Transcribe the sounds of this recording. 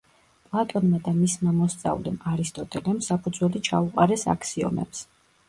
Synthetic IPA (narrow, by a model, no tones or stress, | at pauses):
pʼlˠat̪ʼɔnmad̪amismamɔst̪sʼa̰vlɛmaɾist̪ʼɔt̪ʼɛlɛmsapʰud̪zwɛlit͡ʃʰauqʼaɾɛsa̰kʰsiɔ̰mɛ̰ps